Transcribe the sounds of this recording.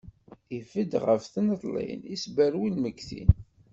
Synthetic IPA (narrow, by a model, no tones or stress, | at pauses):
ifəd̪ʁəfθənət̪ˤlˤḭnisbəɾwilməɡθḭn